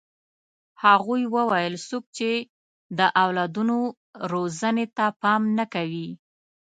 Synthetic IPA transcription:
haɣujwəwajəlsok̚t͡ʃe | d̪əʔawlɑd̪uno | ɾozənet̪apɑmnakawi

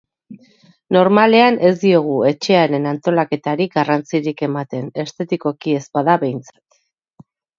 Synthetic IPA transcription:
no̞ɾmale̞anʔe̞zd̪io̞ɣ̞ue̞t͡ʃe̞aɾe̞nant̪o̞lake̞t̪aɾiɡarant͡siɾike̞mat̪e̞ne̞st̪e̞t̪iko̞kie̞spaðaβe̞jnt͡sḁt̪

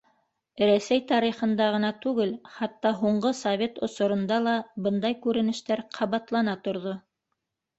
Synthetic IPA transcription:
ɾæsæjt̪ɑɾiχɤ̆nd̪ɑʁɤ̆nɑt̪ʉɡɘlχɑt̪ːɑɦuɴɢɤsɐvʲe̞t̪ŏsŏɾŏnd̪ɑlˠɑbɤnd̪ɑjkʉɾɘ̆nɘ̆ʃt̪æɾqʰɑβɑt̪lˠɑnɑt̪ŏɾðo

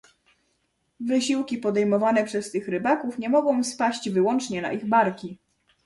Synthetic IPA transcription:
vɘɕiwkʲipɔd̪ɛjmɔvanɛpʂɛst̪ɘxɾɘbakufɲɛmɔɡɔ̃w̃spaɕd͡ʑvɘwɔnt͡ʂɲɛna̰ʔiɣbaɾkʲi

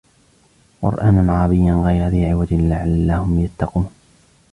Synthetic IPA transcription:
qʊ̰ɾʔaːnanʕɑːbɪjːanɣajɾaðiʕɪwad̪ɪlɪʕalːahʊmjat̪ːɑquːn

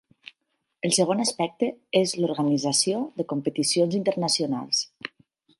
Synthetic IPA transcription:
əlˠsəɣ̞onaspɛk̚t̪əezluɾɣənizasioðəkumpət̪isionzint̪ərnəsiuna̰lˠs

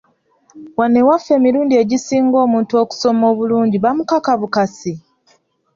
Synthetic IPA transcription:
wanːe̞wafːe̞ːmiɾuːndie̞ɟisiːŋɡo̞ːmuːntuo̞ku̥so̞mo̞ːβuluːɲɟiβamukakaβukasi

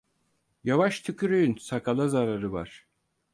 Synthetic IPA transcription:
javaʃt̪ʰykʰyɾøjynsakʰalˠazaɾaɾɯva̰ɾ̥

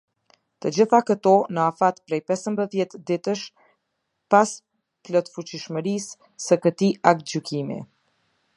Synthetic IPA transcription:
t̪əd͡ʑiθakət̪ɔnəafat̪pɾɛjpɛsəmbəðjɛt̪d̪it̪əʃ | pas | plɔt̪fut͡ɕiʃməɾisː | əkət̪iʔak̚t̪̚d͡ʑykimḭ

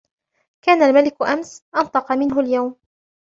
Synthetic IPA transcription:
kaːnalmalɪkʊʔamsʔɑnt̪ˤɑqɑmɪnɦʊljawm

